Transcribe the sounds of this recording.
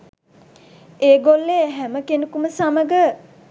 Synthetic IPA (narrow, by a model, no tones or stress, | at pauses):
eːɡolːeːɦæməkenukuməsaməɡə